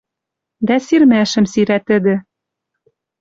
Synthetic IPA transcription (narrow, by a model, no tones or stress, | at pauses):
d̪æsiɾmæʃɘ̆msiɾæt̪ɘ̆d̪ɘ̆